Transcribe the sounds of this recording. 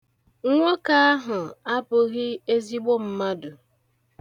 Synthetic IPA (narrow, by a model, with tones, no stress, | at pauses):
ŋ̩˦ŋʷo˦ka˦a˦ɦʊ˨a˦pʊ˨ɣɪ˦e˦zi˦ɡ͡bo˦m̩˦ma˦dʊ˨